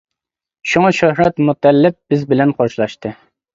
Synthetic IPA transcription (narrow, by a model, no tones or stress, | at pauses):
ʃuŋɑʃohɾɛt̪mut̪ɛlːɪp̚bɪzbɪlɛnqʰɑɾʃɨlˠɑʃt̪ɨ